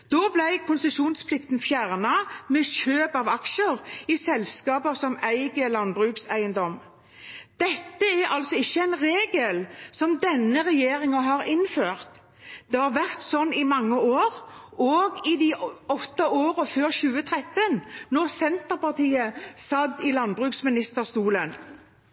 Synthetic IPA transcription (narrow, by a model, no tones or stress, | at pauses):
d̪̥oːblæɪkʰʊnsəʃuːnspʰlɪk̚t̪n̩fjæʁnɑmɛʃøːpɑʋɑkʃəʁɪsɛlskɑːpəsɔmæɪɡəlɑnbʁʉːksæɪənd̪ɔm | d̪̥ɛt̪ːəæɾɑlsɔɪçːəæɪnɾeːɡəlsɔmd̪ɛnːəʁɛjeːɾɪŋɑɦɑːɾɪnføːʁt̪ | d̪̥ɛhɑʁʋæʁt̪sɔnːɪmɑŋːəoːɾɔɡɪd̪iɔt̪ːɑoːɾəføːɾɕʉːət̪ʰʁɛt̪ːənnɔʁsɛnt̪əɾpɑʁt̪iːəsɑd̪ɪlɑnbʁʉːksmɪnɪst̪əʁst̪uːlən